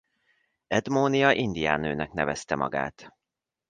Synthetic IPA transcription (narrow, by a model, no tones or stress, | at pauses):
ɛd̪moːnijɒʔind̪ija̰ːnøːnɛknɛvɛst̪ɛmʔɒ̰ɡa̰ːt̪